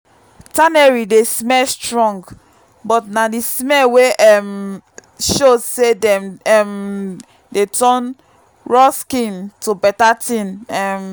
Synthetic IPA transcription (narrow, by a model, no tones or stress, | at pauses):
tanɛɹidesmɛlstɹɔ̃ŋɡ | bɔtnadismɛlweʔɛm | ʃozsedɛ̃mɛm | detɔ̃n | ɹɔskĩntubɛtatĩnɛm